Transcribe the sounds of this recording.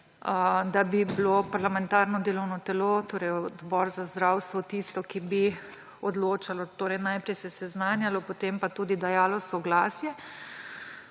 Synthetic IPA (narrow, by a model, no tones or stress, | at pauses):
əd̪abiblopaɾlamɛnt̪aːɾnɔd̪eːlɔwnɔt̪ɛlot̪oːɾɛjɔd̪bɔːɾzazd̪ɾawst̪ʋɔt̪ist̪ɔkibi | ɔd̪loːt͡ʃalɔt̪oːɾɛjnajpɾɛjsɛsɛznaːnjalɔpot̪empat̪uːd̪id̪ajaːlɔsɔɡlaːsjɛ